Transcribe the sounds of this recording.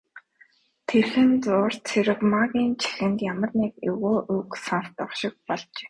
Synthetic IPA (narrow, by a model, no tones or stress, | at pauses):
t̪ʰerxɘ̆nt͡sʊːr̥t͡sʰeɾɘ̆kmaɣʲiːnt͡ɕʰi̥xɘ̆nt̪jamə̆rnikʊɣoːʔuksanrt̪ɔχʃɪ̆k̚pɔɮt͡ɕe̥ː